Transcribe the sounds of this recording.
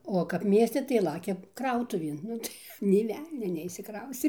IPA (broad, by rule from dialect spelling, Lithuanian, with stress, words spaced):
oː kɐp ˈmʲiɛsʲtʲɛ tɐɪ ˈlˠɑːkʲɛ ˈkrɐʊtʊʋʲeːn ˈnʊ tɐɪ nʲeː ˈʋʲɛlʲnʲoː nʲɛɪʃʲsʲɪˈkrɐʊsʲtʲeː nʲeː ˈʋʲɛlʲnʲoː nʲɛɪʃʲsʲɪˈkrɐʊsʲtʲeː